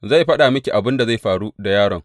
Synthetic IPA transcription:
za˦˨jɸɐ˦ɗa˨mɐ˦kʲi˨ʔa˨bɪ˦nda˨za˦˨jɸaː˨ɽu˦da˨jaː˦ɽɔ˨ŋ

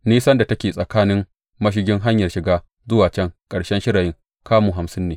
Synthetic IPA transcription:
niː˦sɐ˦nda˨tɐ˦kʲeː˨sʼɐ˨kaː˦nɪ˦m | mɐ˦ʃ̬ɪ˦ɡʲɪ˦ŋɦa˦ɲjɐ˨rʃɪ˨ɡaː˦ | zʊ˦waː˨t͡ʃɛ˦ŋkʼɐ˨ɽʃɛ˦nʃɪ˦ɾaː˨jɪ˦ŋ | kʰaː˦muː˨ɦa˨msɪ˦nːeː˨

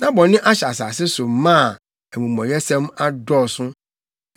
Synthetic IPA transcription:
nã˦bɔ̃˨nɪ̃˦ʔa˦ɕa˨sa˨sɪ˦sʊ˨m˦mã˦˨ | ɛ˨mũ˨mɔ̃˨jɛ˦sɛ̃˦ma˦dɔ˦˨sʊ˦

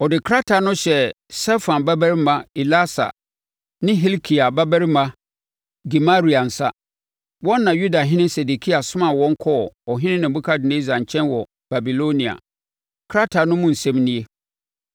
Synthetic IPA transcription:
ɔ˨dɪ˨kʰɾa˦tʰa˨nʊ̃˦ɕɛ˦ | sɛ˦fã˨nba˦bæ˦ɾi˦mã˦i˨la˦sa̰˨ | nɪ̃˦ɦi˦lkʰi˨a˨ba˦bæ˦ɾi˦mã˦ | ɡi˨ma˦ɾi˨a˨n̩˨sa˦ | wɔ̃˦nː˦ã˨ju˦da˨ɦɪ̃˦nɪ̃˦nsɛ˨du˨kʰi˦a˨sʊ̃˦mã˦˨wɔ̃˦ŋ̩˦kʰɔ˦˨ɔ˨ɦɪ̃˦nɪ̃˦nɪ̃˨bu˦kʰa˦dɪ˨nẽ˦za˨ɲ̩˨t͡ɕʰɛ̃˦nwɔ˨ | b̥a˨bi˨lo˦nĩ˨a̰˨ | kʰɾa˦tʰa˨nʊ̃˦mʊ̃˦n̩˨sɛ̃˦mnĩ˦e˦

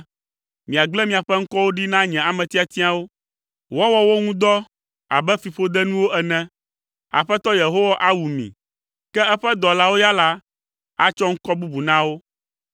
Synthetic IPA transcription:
mĩ˨a˨ɡ͡blɛ˦mĩ˨a˨ɸɛ˦ŋ̩˦kɔ˦wo˦ɖi˦nã˦ɲɛ̃˨a˨mɛ̃˨t̪i˦a˨t̪i˦a˦wo˦ | wɔ˦wɔ˦wo˦ŋũ˦d̪ɔ˦ | a̰˨bɛ˦fi˨ɸo˦d̪ɛ˦nũ˦wo˦ʔɛ˨nɛ̃˦ | a̰˨ɸɛ˦t̪ɔ˦je˨ɦo˦wa˦ʔa˦wu˨mḭ̃˨ | kɛ˦ɛ˦ɸɛ˦d̪ɔ˨la˦wo˦ja˦la˦ | a˦t͡ʃɔ˦ŋ̩˦kɔ˦bu˦bu˨nã˦wo˦

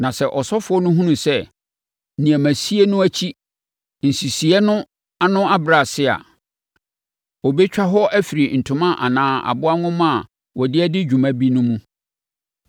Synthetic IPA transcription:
nã˨sɛ˦˨ʔɔ˨sɔ˦fʊ˨˦ɔ˦nʊ̃˦ɦũ˦nũ˨sɛ˦˨ | nĩ˨æ˨mæ̃˨si˦e˦nʊ̃˦æ˦t͡ɕʰi˦ | n̩˨si˨si˨ɛ˦nʊ̃˦ | a˦nʊ̃˦a˦bɾa˨sɪ˦a̰˨ | ɔ˨bɛ˦t͡ɕᶣa˦ɦɔ˦æ˦fi˨ɾi˨n̩˨tʰʊ̃˨˦mã˦ʔa̰˨nãː˨a̰˨bʊ˦a˦ŋʊ̃˦m˦a˨ | wɔ˨dɪ˦ɛ˦dɪ˦d͡ʑᶣu˨mã˦bi˦nʊ̃˦mũ˦

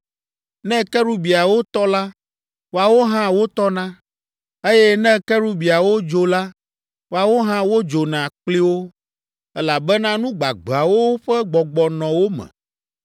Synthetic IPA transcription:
nɛ̃˦kɛ˦ɾu˦bi˨a˨wo˦t̪ɔ˦la˦ | wo˦a˨wo˦ɦã˦wo˦t̪ɔ˦nã˦ | e˦jɛ˦nɛ̃˦kɛ˦ɾu˦bi˨a˨wo˦d͡ʒo˦la˦ | wo˦a˨wo˦ɦã˦wo˦d͡ʒo˨nã˨k͡pli˦wo˦ | ɛ˦la˨bɛ˦nã˦nũ˦ɡ͡ba̰˨ɡ͡ba˨wo˦wo˦ɸɛ˦ɡ͡bɔ˨ɡ͡bɔ˨nɔ̃˨wo˦mɛ̰̃˨

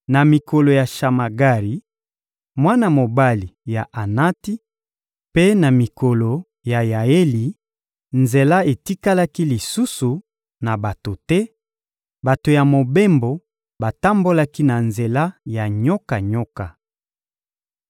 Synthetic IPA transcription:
na˨mi˨ko˨lo˨ja˨ʃa˨ma˨ɡa˦ʁi˨ | mwa˦na˦mo˨ba˦li˨ja˨ʔa˨na˦ti˦ | pe˦na˨mi˨ko˨lo˨ | ja˨ja˨e˦li˨ | nze˨la˦e˨ti˦ka˦la˦ki˦li˨su˦su˨ | na˨ba˨to˨tɛ˦ | ba˨to˨ja˨mo˨be˦mbo˨ | ba˨ta˦mbo˦la˦ki˦na˨nze˨la˦ja˨ɲɔ˦ka˨ɲɔ˦ka˨

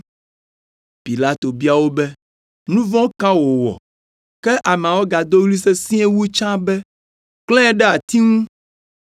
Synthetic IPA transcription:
pi˨la˦t̪o˨bi˦a˨wo˦bɛ˦ | nũ˦vɔ̃˦kã˦wo˨wɔ̰˨ | kɛ˦ʔa˨m̃˨ã˨wo˦ɡa˨d̪o˦wli˦se˦sĩ˦e˦wu˦t͡ʃã˦bɛ˦ | k͡plɛ̃˦ɖɛ˦a˨t̪i˦ŋũ˦

